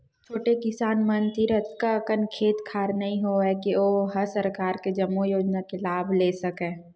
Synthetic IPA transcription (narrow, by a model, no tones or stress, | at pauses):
t͡ʃʰoːʈekɪsaːnmənt̪iɾət̪kakənkʰeːt̪kʰaːɾnɐɦĩɦoɛkioːɦɐɾsɐɾkaːɾked͡ʒɐmːujoːd͡ʒnakelaːbʱleːsɐkeː